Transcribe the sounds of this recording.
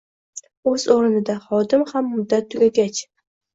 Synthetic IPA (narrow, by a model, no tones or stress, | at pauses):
ɵzoɾɪnɪd̪aχɒd̪ɪmhamːʊd̪ːat̪ʰːʊɡʲaɡʲat͡ʃ